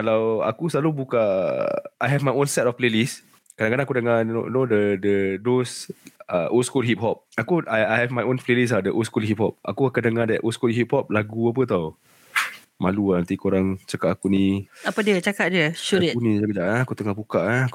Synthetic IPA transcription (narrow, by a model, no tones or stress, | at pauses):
kalawa̰kusəlalubuka | ajɦɛvmajõnsɛtɔfplelis | kadaŋkadaŋakudəŋano̰nodədədosəʔoskulɦip̚ɦɔp̚akuʔajajɦɛvmajõnplelis̬ladəʔoskulɦip̚hɔp̚ʔa̰kukakadəŋadɛʔʔoskulɦit̚hɔp̚laɡuap̬ət̪aw | maluanant̪ikoɾaŋt͡ʃakatakuniapədiət͡ʃakaʔdiəʃuiunĩakəd͡ʒaʔaakut̪əŋahbukaʔak